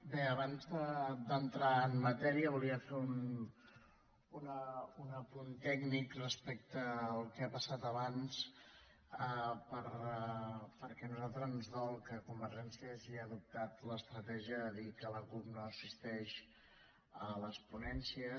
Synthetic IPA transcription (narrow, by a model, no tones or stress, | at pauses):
beəβanzðəd̪ənt̪ɾaənmət̪ɛɾiəβuliəfeun | unəunəpunt̪ɛɡnikrəspɛk̚t̪əːlˠkɛapəsat̪əβans | əpəɾ | pəɾkɛnuzalˠt̪ɾəznzðɔlˠkəkumbəɾʒɛnsiəziəðup̚t̪at̪ləst̪ɾət̪ɛʒiəðikələklupnoəsist̪ɛʃ | ələspunɛnsiə